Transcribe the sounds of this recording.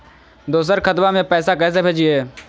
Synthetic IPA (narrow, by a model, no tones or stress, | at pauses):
d̪oːs̬əɾkʰət̪mamẽpɛːsakɛːs̬ebʱed͡ʒiɛː